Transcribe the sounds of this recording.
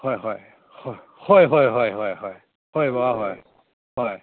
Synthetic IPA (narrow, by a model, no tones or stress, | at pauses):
hɔjɦɔj | hɔj | hɔjɦɔjɦɔjɦɔjɦɔj | hɔjbaaɦɔj | hɔj